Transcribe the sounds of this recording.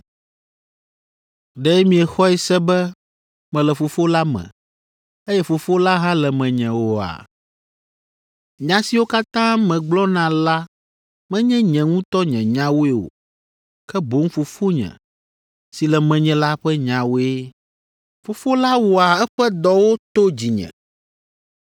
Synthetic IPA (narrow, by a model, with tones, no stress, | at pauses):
ɖɛ˦mĩ˨ɛ˨xɔ˦ɛ˦sɛ˦bɛ˦ | mɛ̃˨lɛ˨fo˨fo˦la˦mɛ̰̃˨ | ɛ˦jɛ˦fo˨fo˦la˦ɦã˦lɛ˨mɛ̃˨ɲɛ̃˨wo˨a̰˨ | ɲã˨si˨wo˦ka˦t̪ã˦mɛ̃˨ɡ͡blɔ˦nã˨la˦ | mɛ̃˦ɲɛ̃˦ɲɛ̃˨ŋũ˦t̪ɔ˦ɲɛ̰̃˨ɲã˦wo˦e˦o̰˨ | kɛ˦bo˦ŋ̩˦fo˨fo˦ɲɛ̰̃˨ | si˨lɛ˨mɛ̃˨ɲɛ̃˨la˦ɸɛ˦ɲã˨wo˦e˦ | fo˨fo˦la˦wo˨a˨ɛ˦ɸɛ˦d̪ɔ˦wo˦t̪o˦d͡ʑi˨ɲɛ̰̃˨